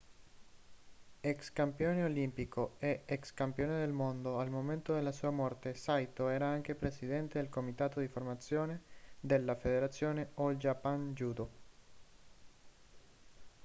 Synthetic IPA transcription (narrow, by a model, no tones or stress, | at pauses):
ɛkskampjoːneolimpikoɛɛkskampjoːned̪elmond̪oalmoment̪od̪elːasuːamɔrt̪esajt̪oɛːɾaaŋkepɾesid̪ɛnt̪ed̪elkomit̪aːt̪od̪iformat̪sːjoːned̪elːafed̪eɾat̪sːjoːneold͡ʒapand͡ʒuːd̪o